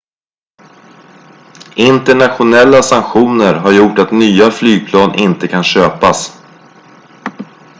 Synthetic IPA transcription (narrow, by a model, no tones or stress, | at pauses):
ʔɪnt̪ɛɳat̪ɧʊnɛlːasaŋkɧuːnəɾɦaɾjʊʈat̪nyːaflyːɡ̚pʰlɑːnʔɪnt̪əkʰanɕøːpas